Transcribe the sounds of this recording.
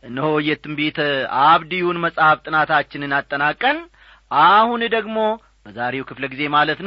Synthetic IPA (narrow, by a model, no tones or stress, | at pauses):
ʔɨnːɨhojɛt̪ʰːɨmbet̪aβd̪ijunməsʼhaft̪ʼɨnat̪ʰat͡ʃːɪnɨnat̪ʼːənakʼːən | ʔahund̪əɡmo̞ | bəzaɾe̞wkʰɨfləɡize̞malət̪n